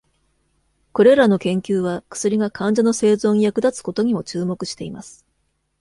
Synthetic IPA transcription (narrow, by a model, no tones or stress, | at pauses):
ko̞ɾe̞ɾano̞kẽ̞ŋkʲɨːβ̞akɯ̥sɨɾʲiɡakʰãɲ̟d͡ʑano̞se̞ːzo̞ːɲ̟ijakɯ̟d̪at͡sɨ̥ko̞t̪o̞ɲ̟imo̞t͡ɕɨːmo̞kɯ̟ɕi̥t̪e̞imasɨ̥